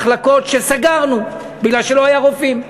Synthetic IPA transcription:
χlako̞tʃesaɡaʁnu | biɡlalʃe̞lohajaʁofim

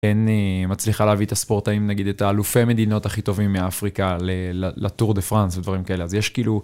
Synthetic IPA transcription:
enemat͡sliχaleavit̪aspo̞ʁt̪aimnaɡid̪et̪aːlufeme̞d̪ino̞taχit̪o̞vimːeafʁikalelalʔat̪uʁd̪efʁansved̪vaʁimkae̞leazjeʃkiːlu

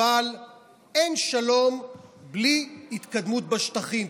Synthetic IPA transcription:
al | e̞nʃalo̞mbliit̪kad̪mut̪̚baʃt̪aχim

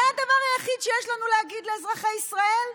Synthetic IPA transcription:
aad̪avaʁajaχid̪ʃejeʃlanuleaɡid̪leazʁaχaisʁae̞l

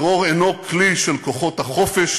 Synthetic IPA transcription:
ʁoʁenokliʃelkoχo̞thaχo̞feʃ

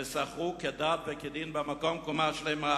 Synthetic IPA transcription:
esaχʁuked̪aːt̪beked̪inbamakomkomaʃlema

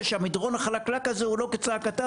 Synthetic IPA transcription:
ʃeamid̪ʁonaχalaklakazeulo̞ket͡saːkat̪a

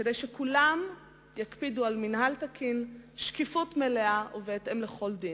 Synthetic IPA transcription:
kedejʃekulam | jakpidualminɦaltakʰinʃkifutmeleaʔuveːtemleχo̞ldin

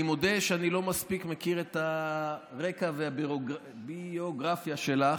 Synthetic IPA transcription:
imo̞d̪e̞ʃeanilo̞maspikmekiʁet̪aʁe̞kaveabioɡ | bioɡʁafjaʃe̞la

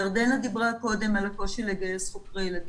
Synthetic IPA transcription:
aʁd̪enad̪ibʁako̞d̪e̞malako̞ʃileɡeesχokʁilad̪

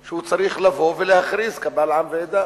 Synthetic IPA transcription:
ʃehut͡saɾiχlavo̞velehaχɾizkabalʕamveed̪a

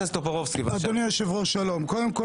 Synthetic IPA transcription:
ast̪opaʁovskivadonijoʃevʁoʃalo̞mkod̪emko

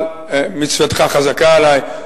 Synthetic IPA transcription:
mit͡svat̪χaχazakaalaj

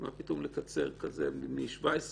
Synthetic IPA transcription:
ma̰pitomlekat͡se̞̰ʁkazemimiʃvaes

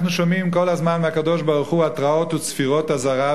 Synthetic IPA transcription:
χnuʃomimkolazmanmeakad̪oʃbaʁuχuat̪ʁaot̪ut͡sfiʁothazaʁa

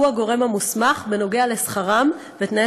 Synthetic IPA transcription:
uaɡo̞ʁe̞mamusmaχveno̞ɡe̞ale̞sχaʁam | vet̪nae

